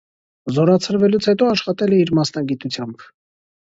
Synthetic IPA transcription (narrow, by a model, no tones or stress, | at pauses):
zɔɾɑt͡sʰəɾvɛlut͡sʰhɛt̪ɔɑʃχɑt̪ɛlɛiɾmɑsnɑɡit̪ut͡sʰjɑmb̥